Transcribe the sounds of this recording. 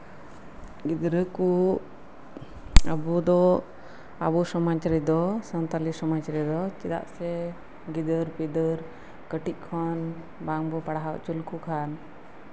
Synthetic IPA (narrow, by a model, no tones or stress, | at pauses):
ɡid̪ɾəku | əbud̪ɔ | a̰busɔmat͡ʃaɾid̪ɔsənt̪alisɔmat͡ʃaɾid̪ɔt͡ʃid̪a̰ʔsɛ | ɡid̪əɾpid̪əɾ | kəʈiʔ̚ˀkʰɔn | baŋbɔpaɽaɦaw̰ʔt͡ʃulkukʰan